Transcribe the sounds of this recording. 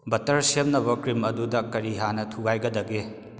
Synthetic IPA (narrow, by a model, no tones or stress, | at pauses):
bɐtɐɾsemnɐbɐkɾimɐdudɐkɐɾiɦanɐtʰuɡajɡɐdɐɡe